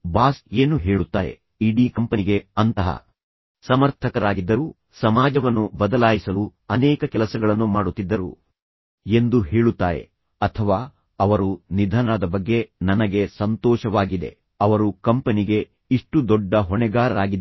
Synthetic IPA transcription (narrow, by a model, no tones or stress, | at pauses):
baːseːnuɦe̞ːɭut̪ːaːɾe̞̰ | iɖiːkɐmpɐniɡe̞ɐnt̪ɐɦɐ̰ | sɐmɐɾt̪ʰɐkɐɾaːɡid̪ːɐɾuː | sɐmaːd͡ʒɐʋɐnːubɐd̪ɐlaːjisɐluɐnɛːkɐkɛlɐsɐɡɐɭɐnːumaːɽut̪ːid̪ːɐɾṵ | e̞nd̪uɦeːɭut̪ːaːɾe̞̰ | ɐt̪ʰɐʋaː | ɐʋɐɾunid̪ʱaːnaːd̪ɐbɐɡːe̞nɐnɐɡe̞sɐnt̪ɔːʃɐʋaːɡid̪e̞̰ | ɐʋɐɾukɐmpɐniɡe̞ | iʂʈud̪ɔɖːɐɦɔɳɛɡaːɾɐɾaːɡid̪